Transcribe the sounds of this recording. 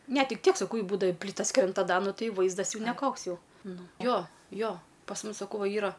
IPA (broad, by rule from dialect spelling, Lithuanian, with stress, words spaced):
ˈnʲɛ ˈtʲɪk ˈtʲiɛk sɐˈkɐʊ ˈjɛɪ ˈbuːdɐʋɐ ɪ ˈpʲlʲiːtɐs ˈkrʲɛnt ɐ ˈdɐ ˈnʊ ˈtɐɪ ˈʋɐɪzdɐs nʲɛˈkoːks ˈjɛʊ ˈnʊ ˈjoː ˈjoː pɐs ˈmʊs sɐˈkɐʊ ˈʋɐ ˈiːrɐ